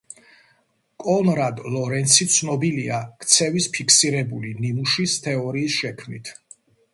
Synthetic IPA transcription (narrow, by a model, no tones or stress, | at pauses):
kʼɔnɾad̪lɔɾɛnt̪sʰit̪sʰnɔbiliakʰt̪sʰɛvispʰikʰsiɾɛbulininuʃist̪ʰɛɔɾiːsʃɛkʰmnit̪ʰ